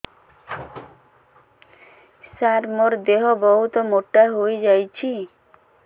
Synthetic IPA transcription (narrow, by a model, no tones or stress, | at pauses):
saɾmoɾd̪eɦobɔɦut̪omoʈːaɦojd͡ʑajt͡ɕʰi